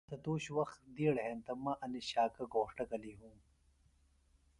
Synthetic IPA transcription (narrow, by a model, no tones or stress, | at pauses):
t̪ɐt̪uːɕwɐxd̪iːɽɦẽnt̪ɐmɐʔɐniɕaːkɐɡoːʂʈɐɡɐliɦũː